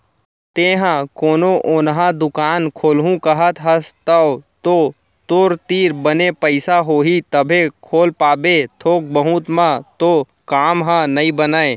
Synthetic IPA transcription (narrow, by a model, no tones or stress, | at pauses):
t̪eːɦãkoːnoʔʊnɦãd̪ʊkaːnkʰoːlɦũkəɦət̪ɦəst̪əot̪o | t̪oːɾt̪iːɾbənepəɪsaɦoːɦit̪əbʱekʰoːlpaːbet̪ʰoːk̚bəɦũt̪mãt̪o | kaːmɦãnɐĩbənəe